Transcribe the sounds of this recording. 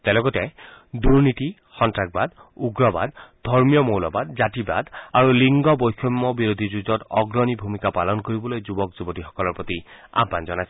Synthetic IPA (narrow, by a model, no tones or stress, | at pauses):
talɔɡɔtɛduɹniti | xɔntɹaɡ̚bad̪uɡɹɔba̰d̪d̪ʱɔɹmijɔmowlɔbad̪zatiba̰d̪aɹuliŋɡɔbojkʰɔmːɔbiɹod̪ʱizuzɔtɔɡɹɔnibʱumikapalɔnkoɹibɔlojzubɔkzubɔtixɔ̥kɔlɔɹpɔt̪ia̰bːanzɔnajsɛ